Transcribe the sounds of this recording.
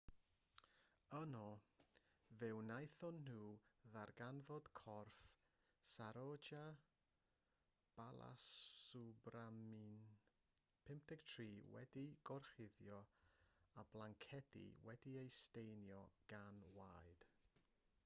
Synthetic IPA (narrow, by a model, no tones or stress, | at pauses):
ənɔ | vɛwnajθɔnːuːðarɡanvɔd̥kʰɔrf | saɾɔd͡ʒa | b̥alˠa̰subramin | pʰɪmp̚tɛɡ̥tʰriːwɛ̰diɡ̥ɔrχɪðjɔ | ablˠaŋkʰɛdḭwɛdiejstejnjɔɡ̥anwajd̥